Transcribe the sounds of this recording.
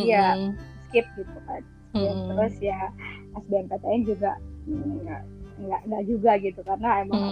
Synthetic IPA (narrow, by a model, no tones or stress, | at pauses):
jaskɪp̚ɡit̪ukan | at̪əɾʊsjaasbɛankat̪aɪnd͡ʒuɡa̰ | ŋɡaʔŋɡaʔd͡ʒuɡaɡit̪ukarənaemaŋ